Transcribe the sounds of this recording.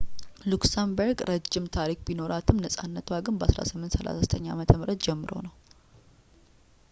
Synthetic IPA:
luksambəɾɡɾʔəd͡ʒːɪmt̪ʰaɾik̚bino̞ɾat̪ʰɨmnəsʼanːət̪ʰwaɡɨnbəasɾa̰sɨmːɨnt̪səla̰sazət̪ʰəɲːa̰mət̪ʰəmɨɾət̪d͡ʒɛmːɨɾo̞̰nəw

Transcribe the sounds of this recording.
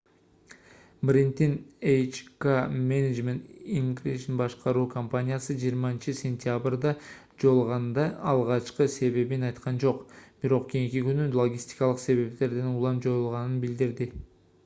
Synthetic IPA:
brint̪inejt͡ʃkamenʲed͡ʒmʲent̪iŋɡriʃnbɑʃqɑɾukʰompanʲijasəʒijəɾmɑnt͡ʃɪsʲe̞nʲt̪ʲjabrd̪ɑ | d͡ʒo̞lˠʁɑnd̪ɑɑlˠʁɑʃqəse̞βe̞benɑjt̪qɑnd͡ʒo̞qb̥ɪɾo̞qkʲʰejŋkʲikʲynylˠo̞ɡʲisʲt̪i̥jkɑlˠəqse̞βe̞pt̪e̞ɾd̪enulˠɑmd͡ʒo̞jəlˠʁɑnənbɪld̪ɪɾd̪ɪ

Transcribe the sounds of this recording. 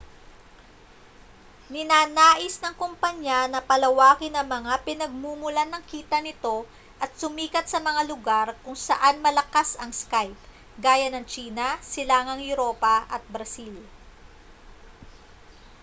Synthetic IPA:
nɪnaːnaːʔɪsnɐŋkompɐɲːanɐpɐlɐwaːkɪnɐŋmɐŋapɪnɐɡ̚mumʊlanɐŋkiːt̪ɐnɪt̪o̞ | ʔɐt̪̚sʊmiːkɐt̪̚sɐmɐŋalʊɡaɾkʊŋsɐ̰ʔanmɐlɐkasɐŋskajp̚ | ɡaːjɐnɐŋt͡ʃiːnɐsɪlaːŋɐŋjʊɾo̞ːpɐʔɐt̪̚bɾɐsil

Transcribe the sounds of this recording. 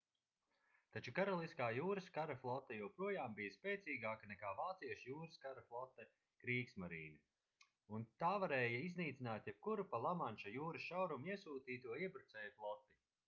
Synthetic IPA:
t̪at͡ʃukaɾɔlˠiskaːjuːɾɨskaɾaflˠɔt̪ːɛjuwpɾuɔjaːmbijɐspʲeːt̪siːɡaːkanɛkaːvaːt̪siɛʃjuːɾɨskaɾaflˠɔt̪ːɛ | kɾiːksmaɾḭːlʲu | unt̪aːvaɾeːjɐizniːt̪sʲinaːt̪jɛb̥̚kuɾupalˠamanʃajuːɾɐsʃawɾumiɛsuːt̪iːt̪uɔiɛbɾut̪sɛːjɐflˠɔt̪ːi

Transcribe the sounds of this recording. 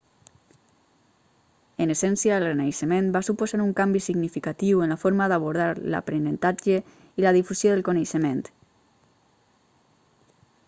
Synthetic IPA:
ənəsɛnsjaːlrenejʃəmẽnbasupuzaɾuŋkambisiɡnifikat̪iwənlafɔɾmaðaβuɾð̞aɾla̰pɾenənt̪ad͡ʒə | ilað̞ifusjoðəlkonejʃəmẽnt̪

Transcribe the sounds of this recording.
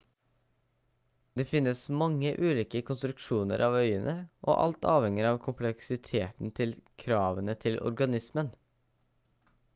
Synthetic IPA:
d̪eːfɪnːəsmɑŋːəʔʉːliːkəkʰʊnst̪ɾʉkʃuːnə̰ɾʔɑːʋœʏənʔəʔo̰ːʔɑ̰lt̪ɑːʋhɛŋəɾɑːʋkʰʊmpʰlɛksɪt̪ʰeːt̪n̩t̪ʰɪlkʰɾɑːʋənət̪ʰɪlʔɔ̰ɾɡɑnɪsmən

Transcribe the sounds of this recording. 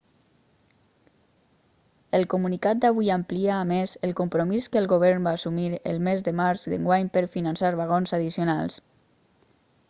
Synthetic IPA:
əlˠkumunikat̪̚d̪aβ̞ujampliaːmezəlˠkumpɾomiskəlˠɣoβ̞ɛɾnbaːsumiɾə̰lˠmezðəmaɾzðə̰ŋɡwaɲpəɾfinansaɾβaɣ̞onzaðisionalˠs

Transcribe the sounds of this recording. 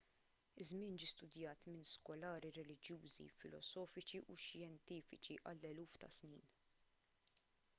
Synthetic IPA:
ɪzmɪːnd͡ʒiːst̪ʊd̪jɐːt̪mɪnskɔlɐːɾiɾɛlɪd͡ʒjuːzḭfɪlɔ̰sɔːfɪt͡ʃiʔuʃjɛnt̪iːfɪt͡ʃiʔɐlːɛluːft̪ɐ̰sniːn

